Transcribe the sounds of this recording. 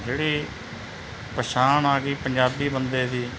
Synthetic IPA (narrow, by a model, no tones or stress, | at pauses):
d͡ʒeːɽiː | pəʃaːnaːɡiːpəɲd͡ʒaːbiːbənd̪eːd̪iː